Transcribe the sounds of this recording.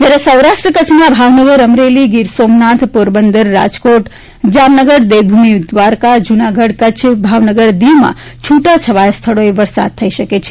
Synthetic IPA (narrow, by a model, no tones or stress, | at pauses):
d͡ʒaɾesə̃wɾaʃʈɾəkət͡ʃʰmabʱaʋnəɡəɾəmɾeliɡiɾsomnat̪ʰpoɾbənd̪əɾːa̰d͡ʒkoʈ | d͡ʒamnəɡəɾd̪ewbʱumid̪ʋaɾkad͡ʒunaɡʱəɽkət͡ʃʰbʱaʋnəɡəɾd̪iwmã̰ | t͡ʃʰuʈat͡ʃʰəʋajst̪ʰəɭoeʋəɾsa̰d̪̚t̪ʰəiʃəket͡ʃʰe